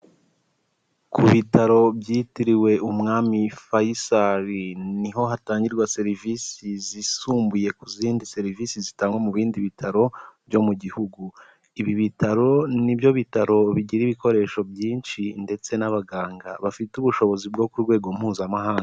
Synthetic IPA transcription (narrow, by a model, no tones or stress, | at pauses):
kʰuβitaɾo̞bjiːtiɾiwe̞ʔumŋaːmifajisaɾiniɦo̞ɦataːɲɟiɾɡwase̞ɾivisizisuːmbuje̞kuziːndise̞ɾiviːsizitaːŋɡwemuβiːndiβitʰaɾo̞bjo̞muɟihuɡu | iβiβitaɾo̞nibjo̞βitaɾo̞βiɟiɾiβiko̞ɾe̞ːʃo̞bjiːnʃinde̞t͡se̞naβaɡaːŋɡa̰βafituβuʃo̞βo̞zibɡo̞kuɾɡwe̞ːɡo̞m̥huːzamaɦaːŋɡa